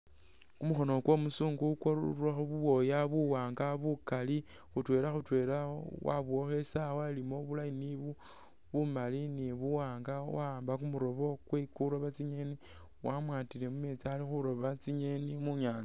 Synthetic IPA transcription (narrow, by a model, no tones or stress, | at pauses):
kumuxo̞no̞kwo̞musuːŋɡukwoaxuβuwo̞jaβuwaːŋɡaβukali | xutwe̞ːɾaxutwe̞ɾawa̰βuo̞xesawalimo̞βulajiniβu | βumaliniβuwaːŋɡawaːmbakumuɾo̞βo̞kwekuɾo̞βat͡siɲe̞ni | wamwaːtile̞mumet͡salixuɾo̞βat͡siɲenimuɲaːnt͡sa